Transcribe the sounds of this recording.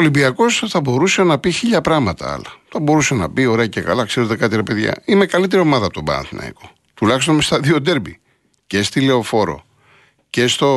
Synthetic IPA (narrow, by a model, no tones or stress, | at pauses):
olibiɐko̞sθɐbo̞ɾusenɐpiçiʎɐpɾɐɣmɐt̪ɐ̰ɐ̰lɐθɐbo̞ɾusenɐ̰bio̞ɾe̞ɐcekɐ̰lɐkse̞ɾe̞t̪ekɐt̪iɾe̞pe̞ðʝɐ̰ime̞kɐlit̪e̞ɾio̞mɐðɐp̚t̪obɐ̰ɐ̰nθinɐ̰ḭko̞̥ | t̪ulɐçist̪o̞nmst̪ɐðio̞d̪e̞ɾbi | ce̞st̪ile̞o̞fo̞ɾo̞̰ | ce̞st̪o̞